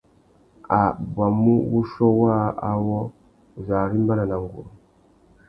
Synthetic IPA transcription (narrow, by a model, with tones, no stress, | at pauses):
a˨bwa˨mu˦βu˦ʃo˦wa˦a˦wo˦˨ | za˨ɾi˦mba˦na˨na˨ŋɡṵ˨ɾu˨